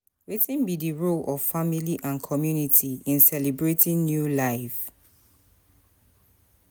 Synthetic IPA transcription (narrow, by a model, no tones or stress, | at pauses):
wetɪ̃nbidiɹolʔɔv̥familiʔãnkʰɔmjunitʰiĩnsɛlibɹetʰɪ̃ŋnjulaɪf